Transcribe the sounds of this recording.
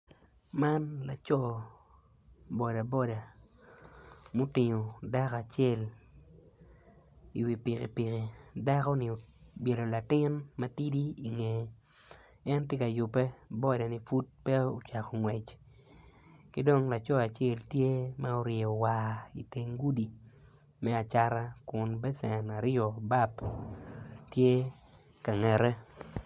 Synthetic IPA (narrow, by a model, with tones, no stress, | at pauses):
ma˦nla˨t͡ʃɔ˦˨ | bɔ˨da˨bɔ˦da˨ | mo˦tɪ˨ɲo˨da˦ka˨t͡ʃjɛ˦˨l | i˨wi˨pi˨kḭ˨pi˨ki˨da˦kɔ˦nɪ˨o˨bje˨lo˨la˨tɪ˦nma˦ti˦di˦i˨ŋe˨ | ɛ˦ntje˦ka˨jʊ˨pɛ˦bɔ˦dɛ˨nɪ˦fu˦t̚pɛ˦o˦t͡ʃa˨kɔ˨ŋwɛ˨t͡ʃ | kɪ˦do˦ŋla˨t͡ʃɔ˦a˨t͡ʃe˦˨ltje˦mao˦ɾje˨o˨wa˨i˨te˦ŋɡu˦di˨ | mɛ˦a˨t͡ʃa˦ɾa˦kʊ˨nbɛ˦sɛ˨na˨ɾɔ˨ba˦p | tje˦ | ka˨ŋɛ˨ɾɛ˦